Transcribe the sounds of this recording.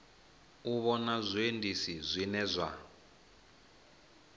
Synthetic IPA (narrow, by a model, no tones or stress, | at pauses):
uβɔnazʷiendisizʷinɛzʷa̰